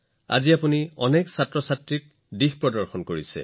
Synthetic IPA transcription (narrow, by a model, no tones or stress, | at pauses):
a̰ziapuniɔneksatɹɔsatɹik̚ | dixpɹɔdɔɹxɔnkoɹisɛ̰